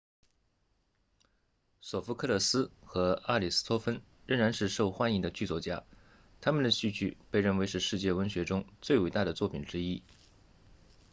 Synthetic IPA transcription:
sɔ˨˩fu˧˥kʰɤ˥˧lɤ˥˩sɹ̩˥xɤ˧˥a˥˩li˨˩s̩˥t̪ʰwɔ˥fə˥n | ɻə˥˩ŋɻa˧˥nʂɻ̩˥˧ʂo˥˩ʊxwa˥ni˧˥ŋd̪ə˧t͡ɕy˥˧t͡swɔ˥˩t͡ɕja̰˥ | t̪ʰa˥mə˨nd̪ə˩ɕy˥˧t͡ɕʰy̰˥˩pe˥˧ɪɻə˥˩nwe˧˥ɪʂɻ̩˥˧ʂɻ̩˥˧t͡ɕjɛ˥˩wə˧˥nɕɥɛ˧˥ʈ͡ʂʊ˥ŋt͡swe˥˩ɪwe˨˩ɪt̪a˥˩d̪ə˩t͡swɔ˥˩pʰi˨˩nʈ͡ʂɻ̩˥i˥

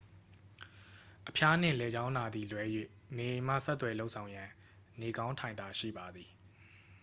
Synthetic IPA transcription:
ʔəpʰja˦n̥ɪ̰̃˦˨lɛ˨d͡ʑã˦ʊ̃na˨d̪i˨lwɛ˦jwḛ˦˨ | ne˨ʔẽ˨m̥ä̰˦˨sɛ˦t̪ːwɛ˨lo˦ʊʔsʰã˨ʊ̃jã˨ | ne˨ɡã˦ʊ̃ntʰã˨ɪ̃nd̪a˨ʃḭ˦˨ba˨d̪ði˨

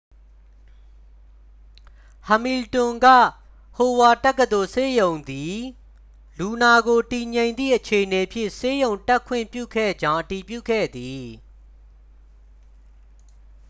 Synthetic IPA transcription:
ha˨mi˨ltʊ̃˨ŋɡä̰˦˨ | ho˨wa˨tɛ˦˨kːəd̪o˨se˦jõ˨ʊ̃nd̪i˨ | lu˨na˨ɡo˨ti˨ɲẽ˨ɪ̃nd̪ðḭ˦˨ʔət͡ɕʰe˨ʔəne˨pʰjɪ̰̃˦˨ʔse˦jõ˨ʊ̃tɛ˦kʰwɪ̰̃˦˨mpjṵ˦˨kʰɛ̰˦˨d͡ʑã˦ʊ̃ʔəti˨pjṵ˦˨kʰɛ̰˦˨d̪i˨

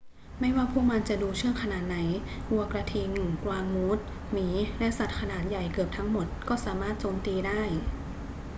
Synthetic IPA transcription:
ma˥˩jwaː˥˩pʰuː˥˩ma˧nt͡ɕa˨˩duː˧t͡ɕʰɯ˥˩əŋkʰa˧naː˨˩t̪̚na˩˦jʔu˧ɐkɾa˧t̪ʰiː˧ŋ˨˩kwaː˧ŋmuː˦˥t̪̚ | miː˩˦lɛ˦˥sa˨˩t̪̚kʰa˧naː˨˩t̪̚ja˨˩jkɯ˨˩əp̚t̪ʰa˦˥ŋmo˨˩t̪̚kɔː˥˩saː˩˦maː˥˩t̪̚t͡ɕoː˧mt̪iː˧daː˥˩j

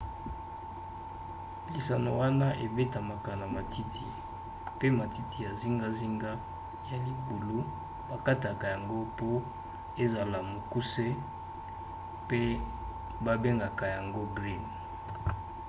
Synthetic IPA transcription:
li˨sa˨no̰˨wa˦na˦ʔe˨be˦ta˨ma˨ka˨na˨ma˨tʰi˦tʰi˨ | pe˦ma˨ti˦tʰi˨ja˨zi˦ŋɡa˦zi˦ŋɡa˦ | ja˨li˨bu˨lu˦ | ba˨ka˦ta˨ka˨ja˨ŋɡo˦po˦ | e˦za˨la˨mo˨ku˦se˦ | pe˦ | ba˦be˦ŋɡa˨ka˨ja˨ŋɡo˦bʁi˦n

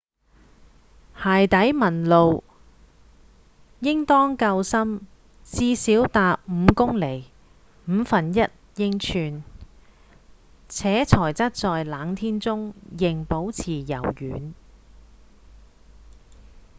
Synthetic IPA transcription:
haː˨jt̪ɐ˨˥jmɐ˨˩nlo˨w | jɪ˥ŋt̪ɔː˥ŋkɐ˧wsɐ˥m | t͡siː˧˥siː˨˥wt̪aː˨p̚m̩˨˧kʊ˥ŋle˨˩j | m̩ː˨˧fɐ˨njɐ˥t̚jɪ˥ŋt͡ʃʰyː˧n | t͡sʰɛː˨˥t͡sʰɔː˨˩jt͡sɐ˥t̚t͡sɔː˨jlaː˨˥ŋt̪ʰiː˥nt͡sʊ˥ŋjɪ˨˩ŋpo˨˥wt͡sʰiː˨˩jɐ̰˨˩wjyː˨˧n

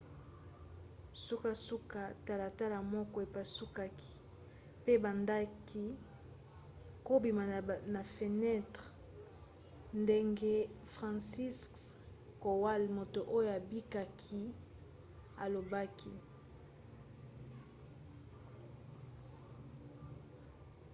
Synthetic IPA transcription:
su˦ka˦su˦ka˦ta˦la˨ta˦la˨mɔ˦kɔ˦e˨pa˦su˦ka˦kʰi̥˨ | pe˦ba˨nda˦ki˦ | ko˦bi˨ma˨na˨fe˨nɛ˦tʁ | nde˦ŋɡe˦fʁã˨nsi˦sk | ko˨wa˦lmo˨to˨ʔo˦jo˦˨a˨bi˦ka˦kʰi˦ | a˨lo˨ba˦kʰḭ˦

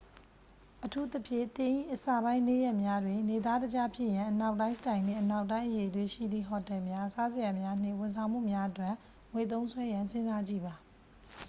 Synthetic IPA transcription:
ʔətʰu˦t̪ə˦pʰjɪ̰̃˦˨t̪ɪ̃˨ʔḭ˦˨ʔəsa˨bã˦ɪ̃ne˦˨jɛ˦ʔmja˦dwɪ̃˨ne˨d̪a˦dəd͡ʑa˦pʰjɪ̰˦˨ʔjã˨ʔəna˦ʊʔtã˦ɪ̃stã˨ɪ̃nɪ̰̃˦˨ʔəna˦ʊʔtːã˦ɪ̃ʔəje˨ətwe˨ʃḭ˦˨d̪ðḭ˦˨ɦɔ˨tɛ˨mja˦sa˦zə˨ja˨mja˦n̥ɪ̰̃˦˨wʊ̃˨nsʰã˨ʊ̃m̥ṵ˦˨mja˦ʔətwɛ˦˨ʔ | ŋwe˨t̪̬õ˦nsʰwɛ˦jã˨nsɪ̃˦nza˦d͡ʑḭ˦˨ba˨

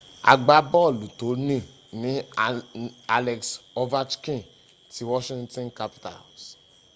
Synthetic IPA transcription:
a̰˨ɡ͡ba˧bɔ˦˨lu˨to˨˦nĩ˦˨ | nĩ˨˦ | a˦lɛ˧ksɔ˦va˦t͡ʃkĩ˦˨ | ti˨˦wɔ˦ʃĩ˦ŋtɔ̃˦nka˦pi̥˦ta̰˨s

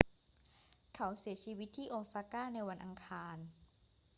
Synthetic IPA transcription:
kʰa˩˦wsi˨˩˦ɐt͡ɕʰiː˧wi˦˥t̪ʰːiː˥˩ʔoː˧k̚saː˧kaː˥˩na˧jwa˧nʔa˧ŋkʰaː˧n

